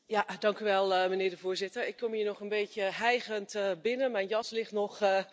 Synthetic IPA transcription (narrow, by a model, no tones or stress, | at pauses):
jadɑŋkyʋɛlˠəmənɪːɹdəvʊːɹzɪtəɹɪkʰːɔmiːnɔχənbeːtjəɦɛjɣəntbɪnənmɛjnjɑslɪχtnɔχə